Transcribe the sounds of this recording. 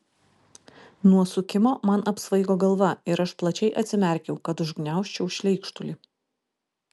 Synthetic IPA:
nuɔsʊkʲɪmoːmɐnɐpsʋɐɪɡoːɡɐlˠʋɐɪɾɐʃplˠɐt͡ʃʲɛɪʔɐt̪sʲɪmʲɛˑɾʲkʲɛʊkɐt̪ʊʒɡnʲæˑʊʃʲt͡ʃʲɛʊʃʲlʲɛɪkʃt̪ʊlʲɪ

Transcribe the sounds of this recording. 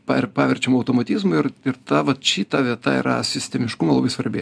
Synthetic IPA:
pɑpɑːʋʲɛɾʲt͡ʃʲɛmɐʊt̪oːmɐt̪ʲɪzmʊɪɾɪɾt̪ɑʋɐt̪ʃʲit̪ɑʋʲiɛt̪ɐ̰ḭːɾɐ̰sʲɪsʲt̪ʲɛmʲɪʃkʊmɐlˠɐbɐɪsʋɐɾʲbʲe

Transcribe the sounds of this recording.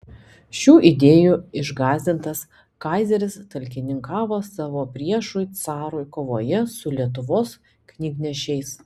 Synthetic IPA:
ʃʲuːʔɪd̪ʲeːjuːɪʒɡɑːzʲd̪ʲɪnt̪ɐs | kɑˑɪzʲɛɾʲɪst̪ɐlʲkʲɪnʲɪŋkɑːʋoːsɑːʋoːpʲɾʲiɛʃʊɪt̪sɑːɾʊjkoːʋoːjɛsʊlʲiɛt̪̬ʊʋoːs | knʲiːɡnʲɛʃʲɛɪs

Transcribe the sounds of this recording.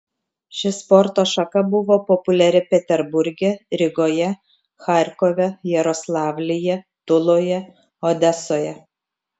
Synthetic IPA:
ʃʲɪspɔɾt̪oːʃɐkɐbʊʋoːpɔpʊlʲɛɾʲɪpʲɛt̪ʲɛɾbʊɾʲɡʲɛɾʲɪɡoːjɛ | xɑˑɾʲkɔʋʲɛjɛɾɔslˠɑːʋʲlʲɪjɛ | t̪ʊlˠoːjɛ | ɔd̪ʲɛsoːjɛ

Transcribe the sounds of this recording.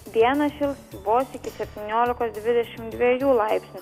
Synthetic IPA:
d̪ʲiɛnɐʃʲɪlˠsʋoːsɪkʲɪsʲɛpʲt̪ʲɪnʲoːlʲɪkoːsd̪ʲʋʲɪd̪ʲɛʃʲɪmd̪ʲʋʲiɛjuːlˠɑɪpʲsʲnʲu

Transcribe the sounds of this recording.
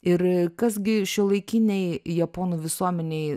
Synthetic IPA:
ɪɾkɐsɡʲɪʃʲɪlˠɐɪkʲiːnʲɛɪjɛpoːnuːʋʲɪsuɔmʲɛnʲeɪ

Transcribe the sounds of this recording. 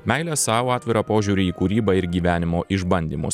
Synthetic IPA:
mʲɛɪlʲɛsɑːʋoɑːt̪ʲʋʲɪɾɑpoːʒʲuːɾʲɪiːkuːɾʲiːbɑɪɾɡʲiːʋʲæːnʲɪmoːʔɪʒbɐnʲd̪ʲiːmʊ̰s

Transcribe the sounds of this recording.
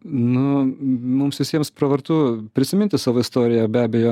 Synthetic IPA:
nʊmʊmsʋʲɪsʲiɛmspɾɐʋɐɾt̪uːpʲɾʲɪsʲɪmʲɪnʲt̪ʲɪsɑːʋoːɪst̪oːɾʲɪjɛbʲæːbʲɛjoː

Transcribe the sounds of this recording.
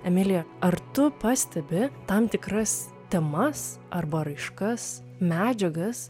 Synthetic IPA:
ɛmʲɪlʲɪjɛɐrt̪ʊpɑːsʲt̪ʲɛbʲɪt̪ɐmt̪ʲɪkɾɐs | t̪ʲɛmɐsʔɐrbɐɾɐɪʃkɐs | mʲæːd͡ʒʲɛɡɐs

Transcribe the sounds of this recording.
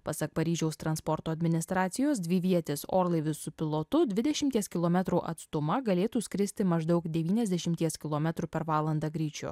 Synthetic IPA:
pɐsɐk̚pɐɾʲiːʒʲɛʊst̪ɾɐnspɔɾt̪oːɐd̪ʲmʲɪnʲɪst̪ɾɑːt̪sʲɪjoːsd̪ʲʋʲɪʋʲiɛt̪ʲɪso̰ːɾlˠɐɪʋʲɪssʊpʲɪlˠoːt̪ʊd̪ʲʋʲɪd̪ʲɛʃʲɪmʲt̪ʲiɛskʲɪlˠoːmʲɛt̪ɾuːʔɐ̰t̪st̪ʊmɐɡɐlʲeːt̪uːsʲkʲɾʲɪsʲt̪ʲɪmɐʒd̪ɐʊkd̪ʲɛʋʲiːnʲɛzʲd̪ʲɛʃʲɪmʲt̪ʲiɛskʲɪlˠoːmʲɛt̪ɾupʲɛɾʋɑːlˠɐnd̪ɑɡɾʲiːt͡ʃʲʊ̰

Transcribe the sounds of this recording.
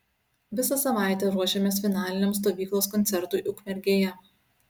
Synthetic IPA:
ʋʲɪsɐsɐʋɑˑɪt̪ʲɛɾuɔʃʲemʲeːsfʲɪnɑːlʲɪnʲeːmst̪oːʋʲiːklˠoːskɔnʲt̪sʲɛɾt̪uːʔʊkmʲɛɾʲɡʲeːjɛ

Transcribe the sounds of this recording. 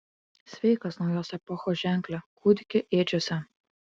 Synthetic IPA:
sʲʋʲɛɪkɐsnɒʊjoːsɛpɔxoːʒʲæˑŋʲˑklʲɛkuːd̪ʲɪkʲɪʔeːd͡ʒʲoːsʲɛ

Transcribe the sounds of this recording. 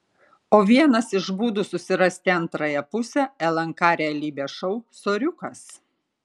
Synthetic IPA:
oːʋʲiɛnɐsɪʃbuːd̪ʊsʊsʲɪɾɐsʲt̪ʲɪɐnt̪ɾɐjɛpʊsʲɛɛlˠɐŋkɑːɾʲɛɛlʲiːbʲɛʃɔʊsoːɾʲʊkɐs

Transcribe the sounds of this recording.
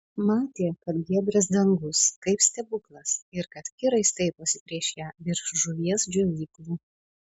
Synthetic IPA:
mɑːt̪ʲeːkɐt̪ɡʲiɛd̪ʲɾʲɛs̬d̪ɐŋɡʊskɐɪpsʲt̪ʲɛbʊklˠɐsɪɾkɐt̪kʲɪɾɐɪst̪ɐɪpɐsʲɪpʲɾʲiɛʃʲɛʋʲɪɾʃʒʊʋʲiɛsd͡ʒʲoʋʲiːklˠuː

